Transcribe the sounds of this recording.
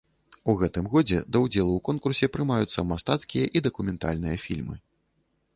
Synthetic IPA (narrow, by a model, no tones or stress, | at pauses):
uɣɛt̪ɨmɣɔd͡zʲɛ̰d̪ɐwd͡zʲɛlˠuwkɔnkursʲɛpɾɨmajut̪sːɐmast̪at̪skʲijɐʔid̪ɐkumʲɛnt̪a̰lʲnɨjɐfʲilʲmɨ̰